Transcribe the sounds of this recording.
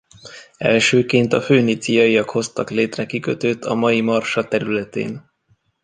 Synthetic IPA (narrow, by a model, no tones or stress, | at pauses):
ɛ̰lʃøːkeːnt̪ɒføːnit̪sijɒjijɒkho̞st̪ɒkleːt̪rɛkikøt̪øːt̪ʰɒmɒjimɒrʃɒt̪ɛɾylɛt̪ḛːn